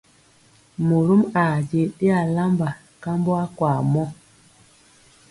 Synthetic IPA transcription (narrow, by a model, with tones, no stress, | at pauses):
mu˨ɾu˦ma˨d͡ʒe˨ɗe˦a˨la˦mba˨ | ka˦mbo˦a˦kwa˨mɔ˦